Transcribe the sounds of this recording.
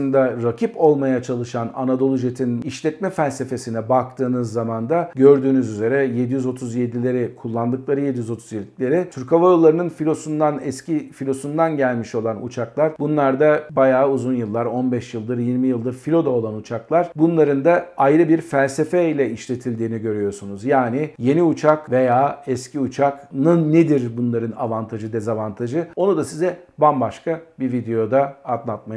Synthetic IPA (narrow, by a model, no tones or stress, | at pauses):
ɯnd̪aɾacʰipo̞lˠmajat͡ʃʰalˠɯʃana̰nad̪o̞lˠuʒet̪ʰiniʃlʲɛt̪mɛfælʲse̞fe̞sinɛbak̚t̪ʰɯːnɯzːamand̪aɟø̞ɾd̪yːnyzyze̞ɾɛje̞d̪ijyzo̞t̪ʰuzje̞d̪ilʲe̞ɾɪkʰulˠːand̪ɯklˠaɾɯje̞d̪ijyzo̞t̪ʰuzjed̪i̥lʲe̞ɾɪt̪ʰyɾkʰavajolˠːaɾɯnɯnfilʲo̞sund̪anɛscifilʲo̞sund̪anɟælʲmiʃo̞lˠanṵt͡ʃʰaklˠaɾbunlˠaɾd̪abajaːuzunjɯlˠːaɾo̞nbɛʃjɯlˠd̪ɯɾjiɾmijɯlˠd̪ɯɾfilʲo̞d̪ao̞lˠanut͡ʃʰaklˠaɾ̥bunlˠaɾɯnd̪aajɾɯbiɾfælʲsefɛilʲɛiʃlʲe̞t̪ʰilʲd̪iːniɟø̞ɾyjo̞sunuzjaːnije̞niut͡ʃʰakve̞jaːɛsciut͡ʃʰaknɯnːed̪iɾbunlˠaɾɯna̰vant̪ʰaʒɯd̪ɛzavant̪ʰaʒɯo̞nud̪asizɛbambaʃkʰabivid̪e̞jo̞d̪aːd̪lˠat̪̚ma